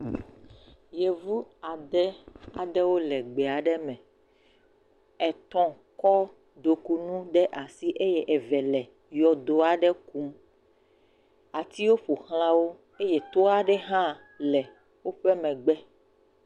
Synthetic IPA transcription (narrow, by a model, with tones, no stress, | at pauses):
je˨vu˦a˨d̪ɛ˦a˨d̪ɛ˦wo˦lɛ˨ɡ͡bɛ˨a˨ɖɛ˦mɛ̃˨ | ɛ˨t̪ɔ̃˦ | kɔ˦ | d̪o˨ku˦nũ˦ɖɛ˦ʔa˨si˦ʔe˦jɛ˦ʔɛ˨vɛ˨lɛ˨ | jɔ˨d̪o˨a˨ɖɛ˦ku˦m | a˨t̪i˦wo˦ɸo˨xl̃ã˦wo˦ | e˦je˨t̪o˦a˨ɖɛ˦ɦã˦ | lɛ˨ | wo˦ɸɛ˦mɛ̃˨ɡ͡bɛ˦